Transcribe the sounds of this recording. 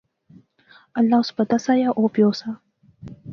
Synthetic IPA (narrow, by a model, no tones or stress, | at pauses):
alːɑspat̪asajaʔopjosa